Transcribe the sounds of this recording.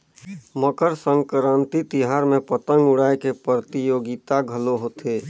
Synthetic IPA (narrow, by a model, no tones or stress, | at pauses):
məkəɾsə̃ŋɡkəɾãnt̪it̪iɦaɾmẽpət̪əŋɡʊɽaekepɾət̪ijoːɡit̪aɡʱəloɦot̪ʰe